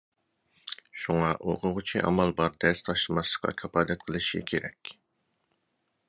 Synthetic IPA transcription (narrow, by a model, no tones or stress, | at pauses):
ʃuŋɑʔoqʰʊʁʊt͡ʃʰiʔɑ̰mɑlˠbɑɾd̪ɛst̪ʰɑʃlɨmɑsə̥qʰɑ̰kʲʰɑpɑːd̪ɛt̪̚qʰəlˠɨʃḭkʲʰeɾɛkʲ